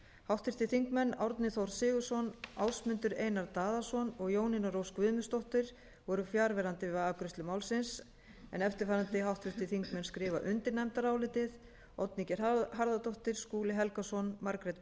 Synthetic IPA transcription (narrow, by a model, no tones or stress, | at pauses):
hawht̪fɪɾ̥t̪ɪθiŋkmɛnːawɾt̪nɪθowɾ̥sɪːɣʏsɔna̰wsmʏnt̪ʏɾeːjnaɾt̪aːðasɔnɔɣjoːwnɪnaɾowskvʏðmʏst̪ɔwht̪ɪɾ̥ | vɔɾʏfjaɾvɛɾant̪ɪaːkɾʏst̪lɪmawlsɪns | ɛ̰nɛft̪ɪɾ̥faɾant̪ɪɦawht̪fɪɾ̥t̪ɪθiŋkmɛnskɾɪːva̰ʔʏnt̪ɪɾnɛjmt̪aɾaːwlɪːt̪ɪð | ɔt̪nicɛɾ̥haɾðat̪ɔht̪ɪɾ̥skuːlɪɦɛlkasɔnmaɾkɾɛt̪